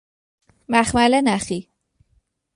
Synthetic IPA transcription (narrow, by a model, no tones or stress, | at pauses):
mæxmælenæxi